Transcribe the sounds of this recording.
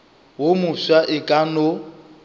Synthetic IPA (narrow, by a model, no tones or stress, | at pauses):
womʊswaʔɪkʼano